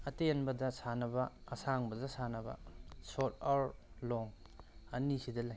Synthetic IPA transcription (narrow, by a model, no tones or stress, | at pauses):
ɐtenbɐdɐsanɐbɐɐsaŋbɐzɐsanɐbɐ̰sot̚aɾloŋ | ɐnisidɐlaj